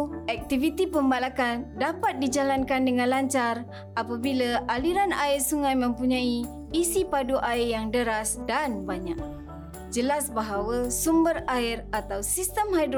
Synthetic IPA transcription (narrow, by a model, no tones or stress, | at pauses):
ɛk̚t̪ivit̪ipəmbalakandapat̪̚did͡ʒalankandəŋãnlaɲt͡ʃar | ʔapabilaʔaliɾanaɪrsuŋãjmə̃mpuɲãiː | sipaduʔaɪjaŋdəɾasdanbaɲak̚ | d͡ʒəlasbaɦawasumbərairat̪awsist̪əmɦajd